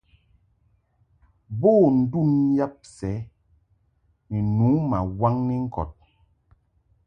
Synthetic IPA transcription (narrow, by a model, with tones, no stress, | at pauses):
boː˦˨n̩˨du˦˨nja˦p̚sɛ˨˦ | mi˨nu˨˦ma̰˨wa˦ŋnɛ˦ŋ̩˦kɔ̰˨t̚